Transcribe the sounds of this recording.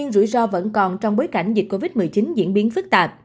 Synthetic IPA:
ɨ˧nzṵ˧˩jzɔ˧və̰˧˥nkɔ˨˩nt͡ɕɔ˧wŋ͡mɓo˨˦jka˧˩jŋ̟zi˨˩t̚ko˧vi˦˥t̚mɨ˨˩jt͡ɕi˨˦nzḭ˧˥nɓi˨˦ənfɨ˦˥k̚t̪aː˨˩p̚

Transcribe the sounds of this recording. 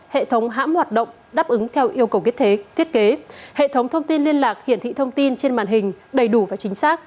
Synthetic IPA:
hḛ˧˨t̪ʰə˨˦wŋ͡mɦa̰ː˧˥mhwaː˨˩t̚ɗə̰˧˨wŋ͡m | ɗaː˦˥p̚ʔɨ˨˦ŋt̪ʰɛ˧wʔi˧əwkə˨˩wkət̪ʰe˨˦t̪ʰi˦˥t̚ke˨˦hḛ˧˨t̪ʰə˨˦wŋ͡mt̪ʰə˧wŋ͡mt̪i˧nli˧ənlaː˨˩k̚hḭ˧˨ənt̪ʰḭ˧˨t̪ʰə˧wŋ͡mt̪i˧nt͡ɕe˧nma̰ː˧˩nɦï˨˩ŋ̟ɗə˨˩jɗu˧˩vaː˨˩t͡ɕï˨˦ŋ̟saː˦˥k̚

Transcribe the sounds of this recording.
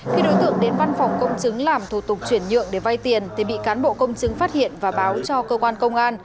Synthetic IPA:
xi˧ɗo˨˦jt̪ɨ̰˧˨əŋɗe˨˦nva˧nfa˨˩wŋ͡mkə˧wŋ͡mt͡ɕɨ˨˦ŋlaː˨˩mt̪ʰu˧˩t̪ʊ˨˩k͡p̚t͡ɕwi˧˩ənɲɨ̰˧˨əŋɗe˧˩va˧jt̪i˨˩ənt̪ʰe˨˩ɓḭ˧˨kaː˨˦nɓo̰˧˨kə˧wŋ͡mt͡ɕɨ˨˦ŋfaː˦˥t̚hḭ˧˨ənvaː˨˩ɓaː˨˦wt͡ɕɔ˧kəː˧kwaː˧nkə˧wŋ͡mʔaː˧n

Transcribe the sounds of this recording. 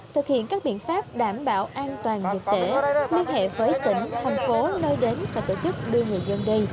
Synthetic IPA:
t̪ʰɨ˨˩k̚hḭ˧˨ənkaː˦˥k̚ɓḭ˧˨ənfaː˦˥pp̚ɗaː˧˩mɓa̰ː˧˨wʔaː˧nt̪waː˨˩nzɨ˨˩k̚t̪e˧˩˥li˧ənɦḛ˧˨vəː˨˦jt̪ï˧˩ŋ̟t̪ʰa˨˩jŋfo˨˦nəː˧jɗe˨˦nvaː˨˩t̪o̰˧˨t͡ɕɨ˦˥k̚ɗɨ˧ŋɨ˨˩əjzə˧nɗi˧j

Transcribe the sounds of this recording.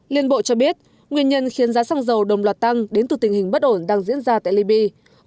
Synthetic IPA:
li˧˨ənɓo̰˧˨t͡ɕɔ˧ɓi˦˥ət̚ | ŋwi˧˩ənɲə˧nxi˨˦ənzaː˨˦saː˧ŋzə˨˩wɗə˨˩wŋ͡mlwaː˨˩t̚t̪a˧ŋɗe˨˦nt̪ɨ˨˩t̪ï˨˩ŋ̟hï˨˩ŋ̟ɓə˦˥t̚ʔo˧˩nɗaː˧ŋzḭ˧˥ənzaː˧t̪a̰ː˧˨li˧ɓi˧

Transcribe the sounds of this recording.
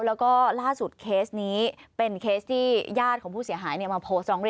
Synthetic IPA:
lɛː˦˥wkɔː˥˩laː˥˩su˨˩t̪̚kʰeː˦˥sniː˦˥pe˧nkʰeː˦˥st̪ʰiː˥˩jaː˥˩t̪̚kʰɔː˩˦pʰuː˥˩si˩˦əɦaː˩˦jni˥˩ɐmaː˧pʰoː˦˥st̪ɾɔː˩˦ŋɾi˧

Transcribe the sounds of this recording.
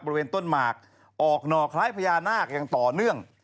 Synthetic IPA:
bɔː˧ɾi˧weː˧nt̪o˥˩nmaː˨˩k̚ | ʔɔː˨˩k̚nɔː˨˩kʰaː˦˥jpʰa˧jaː˧naː˥˩k̚jaː˨˩ŋt̪ɔː˨˩nɯ˥˩əŋ

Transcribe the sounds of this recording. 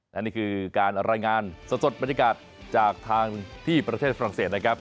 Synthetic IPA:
ʔa˦˧niː˥˩kʰɯː˧kaː˧nɾaː˧jŋaː˧nsa˨˩so˨˩t̪̚ba˧nja˧kaː˨˩t̪̚ | t͡ɕaː˨˩k̚t̪ʰaː˧ŋt̪ʰiː˥˩pɾa˧t̪ʰeː˥˩t̪̚fa˧ɾa˨˩ŋseː˨˩t̪̚na˦˥kʰɾa˦˥p̚

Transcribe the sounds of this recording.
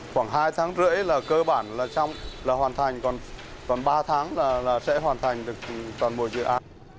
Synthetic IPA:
xwaː˧˩ŋɦaː˧jt̪ʰaː˨˦ŋzɨ̰˧˥əjlaː˨˩kəː˧ɓaː˧˩nlaː˨˩t͡ɕa˧wŋ͡mlaː˨˩ɦwaː˨˩nt̪ʰa˨˩jŋ̟kɔ˨˩nkɔ˨˩nɓaː˧t̪ʰaː˨˦ŋlaː˨˩laː˨˩sɛ̰˧˥ɦwaː˨˩nt̪ʰa˨˩jŋ̟ɗɨ˨˩ək̚t̪ɔ˨˩nmo̰˧˨jzɨ̰˧˨ʔaː˨˦n

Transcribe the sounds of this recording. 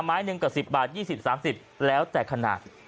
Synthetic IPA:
mːaː˦˥jnɯ˧ŋka˨˩si˨˩p̚baː˨˩t̪̚jiː˥˩si˨˩p̚saː˩˦msi˨˩p̚lɛː˦˥wt̪ɛː˨˩kʰːa˧na̰ː˨˩t̪̚

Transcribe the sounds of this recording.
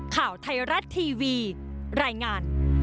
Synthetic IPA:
kʰaː˨˩wt̪ʰa˧jɾa˦˥t̪ʰːiː˧wiː˧ɾaː˧jŋaː˧n

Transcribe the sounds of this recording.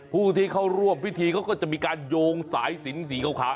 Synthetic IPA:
pʰuː˥˩t̪ʰiː˥˩kʰa˥˩wɾu˥˩əmpi˥˩t̪ʰiː˧kʰa˦˥wkɔː˥˩t͡ɕa˨˩ʔmiː˧kaː˧njoː˧ŋsaː˩˦˥jsi˨˩˦ns̬iː˩˦kʰa˧˩wkʰaː˦˥

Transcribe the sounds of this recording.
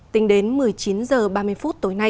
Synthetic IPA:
t̪ï˨˦ŋ̟ɗe˨˦nmɨ˨˩əjt͡ɕi˨˦nzəː˨˩ɓaː˧mɨ˧əjfu˦˥t̚t̪o˨˦jna˧j

